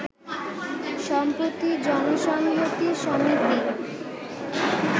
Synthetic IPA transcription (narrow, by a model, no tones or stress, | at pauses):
ʃɔmpɾot̪id͡ʑɔnoʃɔŋɡʱot̪iʃɔmit̪i